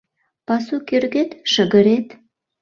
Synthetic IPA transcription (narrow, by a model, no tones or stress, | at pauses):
pɑsukerɣet̪ʃəɣə̆ɾet̪